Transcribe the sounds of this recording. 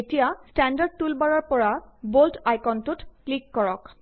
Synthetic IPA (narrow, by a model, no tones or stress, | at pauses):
etijastandaɹd̚tulbaɹɔɹpɔɹaboltajkɔntutklikːɔɹɔk